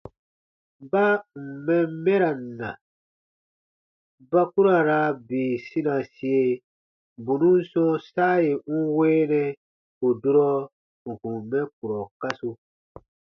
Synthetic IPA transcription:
ba˦m̩˨mɛ˦mɛ˦ɾa˨n̩˨nã̰˨ | ba˦ku˦ɾa˨ɾa˦beː˨sĩ˦nã˨si˦e˦ | bu˨nũ˦n̩˦sɔ̃˦saː˦je˨ŋ̩˦weː˦nɛ˦ | ko˨du˦ɾɔ˦ | ŋ̩˨kũ˨mɛ̃˦k̚u˨ɾɔ˨ka˦su˧

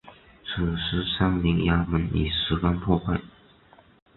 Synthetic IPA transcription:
t͡s̩ʰː˨˩ʂ̩˧˥sa˥ŋli˧˥ŋja˥mə˧˥nḭ˨˩ʂɻ̩˧˥ka˥npʰwɔ˥˧pa˥˩ɪ

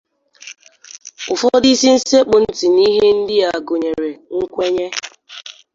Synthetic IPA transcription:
ʊ˨fɔ˦di˦si˦n̩˦se˦k͡pʊ˨n̩˦ti˨ni˦ɦe˦n̩˦dɪ˦a˨ɡʊ˨ɲe˨ɾe˨ŋ̩˦kʷe˦ɲe˦

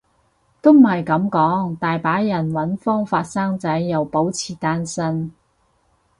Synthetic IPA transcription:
t̪o˥m̩˨hɐ˨jkɐ˨˥mkɔː˨˥ŋt̪aː˨jpaː˨˥jɐ˨˩nwɐ˨˥nfɔː˥ŋfaː˧t̚saː˥ŋt͡sɐ˨˥jːɐ˨˩wpo˨˥wt͡sʰiː˨˩t̪aː˥nsɐ˥n

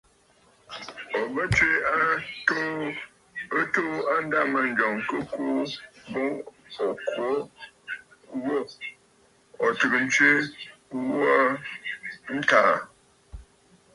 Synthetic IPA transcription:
ɔ˨bə˦t͡ʃe˦a˦ | ə˦to˦a˦n˦da˦˨mə˨n˦d͡ʒɔ˨ŋkə˦ku˦bu˦ŋɔ˨kwo˨˦ | wo˦ | ɔ˨tɨ˨kn̩˦t͡ʃe˦wɔ˦ | n̩˦ta˨

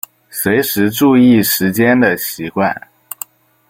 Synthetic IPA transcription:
swe˧˥ɪʂɻ̩˧˥ʈ͡ʂu˥˧i˥˩ʂɻ̩˧˥t͡ɕjɛ˥nd̪ə˨ɕi˧˥kwa̰˥˩n

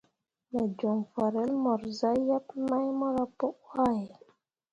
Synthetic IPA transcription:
ma˨d͡ʒɔ˨ŋfa˨ɾɛ˦lmɔ˨ɾza˦ja˦pma˦jmɔ˦ɾa˦pɔ˦ʔwa˦˨j

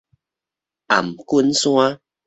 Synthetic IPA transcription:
a̰˨˩mku˦nsw̃a˦

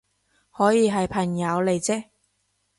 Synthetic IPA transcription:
hɔː˨˥jiː˨˧ɦɐ˨jpʰɐ˨˩ŋjɐ˨˧wle˨jt͡sɛː˥

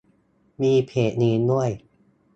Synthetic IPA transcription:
miː˧pʰeː˨˩t̪̚niː˧nu˥˩əj

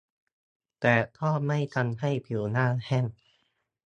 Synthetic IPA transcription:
t̪ɛː˨˩t̪ʰɔː˥˩ma˥˩jt̪ʰa˧nha˥˩jpʰi˨˩˦wnaː˥˩hɛ˥˩n

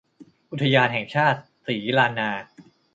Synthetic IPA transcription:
ʔu˧˦t̪ʰːa˧jaː˧nɦɛ˨˩ŋt͡ɕʰaː˥˩t̪̚siː˩˦laː˧nːaː˧

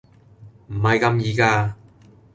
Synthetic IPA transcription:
m̩˨˩hɐ˨jkɐ˧mjiː˨˧kaː˧

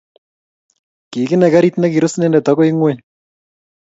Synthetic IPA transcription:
ki˨kɪ˦nɛ˨ka˦ɾitnɛki˨ɾʊsnɛ˦ndɛ˨tɔko˦iŋwe

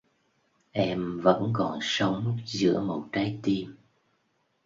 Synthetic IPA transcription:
ʔɛ˧mvə̰˧˥nkɔ˨˩nsə˨˦wŋ͡mt̚zɨ̰˧˥əmo˨˩t̚kaː˨˦jt̪i˧m

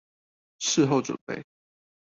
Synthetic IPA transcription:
ʂɻ̩˥˧ɦo˥˩ʊʈ͡ʂwə̰˨˩npe˥˨ɪ

